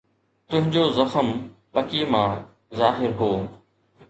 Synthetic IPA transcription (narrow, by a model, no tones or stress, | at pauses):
t̪ʊ̃ɦɪ̃ɲd͡ʑozɐxəmpɐkiemãː | zaːɦɪɾɦoː